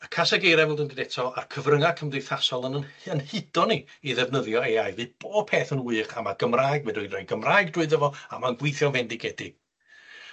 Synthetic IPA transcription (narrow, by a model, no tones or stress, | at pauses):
əkʰasaɡejɾɛvɛlˠdɪndɪdɛtʰɔa̰rkʰəvrəŋakʰəmdejθasɔlˠənənənhɨd̥ɔniː | ðɛvnəðjɔeajðvɨb̥oːb̥̚pʰeːθənwɨɨχamaɡ̥əmraːjɡmɛdɔɨdajnɡəmraːjɡ̚drʊɨðəvɔamaənɡwɪjθjɔnvɛndɪɡɛdɪɡ̥